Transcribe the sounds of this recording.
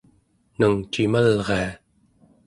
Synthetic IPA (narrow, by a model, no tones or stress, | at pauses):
nəŋt͡ʃimalʁea